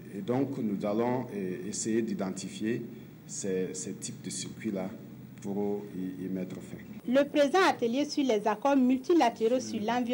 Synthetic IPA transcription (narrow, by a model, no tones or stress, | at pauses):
ed̪ɔ̃ŋknuzalɔ̃esejed̪id̪ɑ̃t̪ifje | sɛsɛt̪ʰip̚d̪əsiʁkwila | puɾimɛt̪ɾfɛ̰̃ləpɾezãat̪eljesylɛzakɔʁmylt̪ilat̪eɾosylãvi